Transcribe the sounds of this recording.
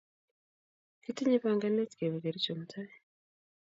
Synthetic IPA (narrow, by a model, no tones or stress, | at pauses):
kitiɲiβaːŋɡanetkeβiɡeɾicomutʰaje